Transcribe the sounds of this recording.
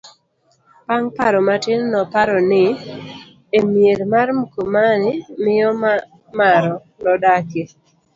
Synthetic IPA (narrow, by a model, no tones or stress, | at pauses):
paŋpaɾɔmatɪnnɔpaɾɔnɪ | emjeɾmarmukomanɪmɪjɔm | maɾɔ | nɔdake